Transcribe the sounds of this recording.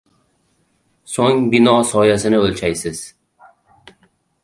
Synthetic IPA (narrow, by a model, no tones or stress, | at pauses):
soŋbɪnɒsɒjasɪnɪolʲt͡ʃʰajsɪz̥